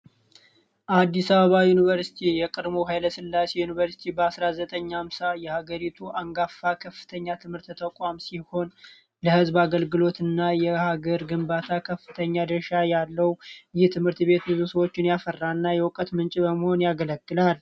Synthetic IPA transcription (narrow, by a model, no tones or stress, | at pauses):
ʔad̪ːisaβəβajunivəɾsi̥t̪ʰijɛkʼɨd̪moɦajləsɨlːasejunivəɾsi̥t̪ʰibəasɾazət̪ʼəɲːamsajɛhaɡəɾit̪ʰuʔaŋɡafːakʰəfːɨ̥t̪ʰəɲːat̪ʰɨmhɨɾt̪t̪ʰəkʷʼamsiho̞n | ləhɨzbaɡəlɡɨlo̞t̪ʰɨnːajɛhaɡəɾɡɨmbat̪ʰakʰəfːɨt̪ʰəɲːad̪əʃajalːəwjɪht̪ʰɨmhɨɾt̪be̞t̪bɨzusəwo̞t͡ʃːɪnjafərːanːajɛwkʼət̪mɨnt͡ʃʼibəməho̞njaɡələɡːɨlal